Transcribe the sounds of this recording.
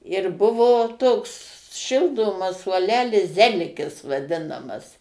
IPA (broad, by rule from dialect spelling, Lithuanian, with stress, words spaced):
ɪr ˈbʊʋoː ˈtoːks ˈʃʲɪlˠdoːmɐs suɔˈlʲæːlʲɪs ˈzʲæːlʲɪkʲɪs ʋɐˈdʲɪnɐmɐs